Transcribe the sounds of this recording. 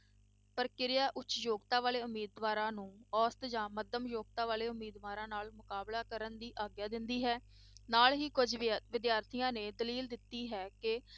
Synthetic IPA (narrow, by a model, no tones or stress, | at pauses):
pəɾkɪɾɪjaːʔʊt͡ʃjoːɡt̪aːʋaːleːʊmiːd̪ʋaːɾãːnũːɔːst̪d͡ʒãːməd̪əmjoːɡ̚t̪aːʋaːleːʊmːiːd̪ʋaːɾãːnaːlmʊkaːblaːkəɾənd̪iːʔaːɡjaːd̪ɪnd̪iːɦɛː | naːlɦiːkʊd͡ʒʋɪd̪jaːɾt̪ʰijãːneːd̪əliːld̪ɪt̪ːiːɦɛːkɪ